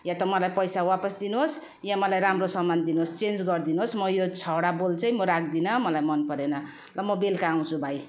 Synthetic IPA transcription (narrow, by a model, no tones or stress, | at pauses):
jãt̪ʌmʌlajpʌjsawapʌsd̪inuɦos | jãmʌlajɾamrosʌmmand̪inuɦost͡send͡zɡʌrd̪inuɦosmʌjot͡sʰʌɽabolt͡sʌj̃moɾak̚d̪inʌmʌlajmʌnpʌɾenʌ | lʌmʌbelkaːw̃t͡sʰubʱaj